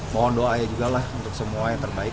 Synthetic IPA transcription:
moɔndoajad͡ʒuɡalahunt̪ʊk̚səmuajaŋt̪ərbaɪk

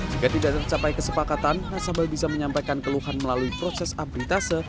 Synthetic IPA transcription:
d͡ʒikat̪idaʔt̪ərt͡ʃapajkəsəpakat̪anːasambɪlbisaməɲampajkankəluhanməlaluipɾosɛsabɾit̪asə

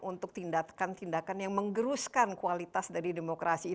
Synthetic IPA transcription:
ʔunt̪ʊk̚t̪indakant̪indakanjaŋməŋɡəɾuskankualit̪asdaɾidemokɾasiː

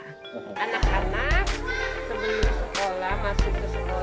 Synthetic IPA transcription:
anakanak̚səmulusəkolahmasʊhkəsəko

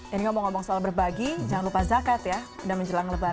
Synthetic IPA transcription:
aniŋamɔŋɔbɔŋsoalabərbaɡid͡ʒaŋanlupazakat̪jadaməɲd͡ʒəlaŋləba

